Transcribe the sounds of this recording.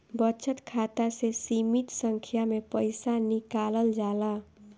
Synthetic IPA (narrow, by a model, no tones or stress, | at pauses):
bət͡ʃʰət̪kʰat̪asesimit̪səŋkʰjamepəjsanikaləld͡ʒala